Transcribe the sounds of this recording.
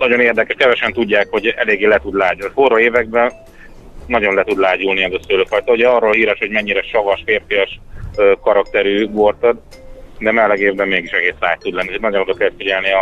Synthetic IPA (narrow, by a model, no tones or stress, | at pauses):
nɒɟo̞neːrd̪ɛkɛʃkɛvɛʃɛnt̪uɟːaːkho̞ɟɛleːɡːeːlɛt̪ud̪laːɟulforɒeːvɛɡ̚bɛn | nɒɟo̞nlɛt̪ud̪laːɟulniɛzɒsøløfɒjt̪ɒuɟɛɒrːoːlɦiːɾɛʃho̞ɟmɛɲːiɾɛʃɒvɒʃfeːrfijɒʃøːkɒɾɒkt̪ɛɾyːɡort̪ɒd̪ | d̪ɛmɛlɛɡeːvbɛmːeːɡiʃɛɡeːsra̰ːjt̪ːud̪lɛnːinɒɟonoɾokɛlt̪fiɟɛlniɒ